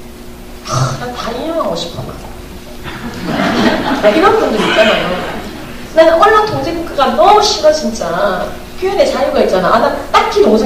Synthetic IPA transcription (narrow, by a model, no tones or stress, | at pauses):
nataijʌŋɦaŋɡoɕʰi̥p͈̚ʰuna̰ | iɾʌnbundoit̚t͡ɕ͈anajo | nank͈ʌɭːatʰoŋd͡ʑeŋuk͈ʰɯɡanʌɕʰiɡat͡ɕint͡ɕ͈a | kʰjojine̞t͡ɕajuɡait̚t͡ɕ͈anaʔanat͈akʰinʌmusʰe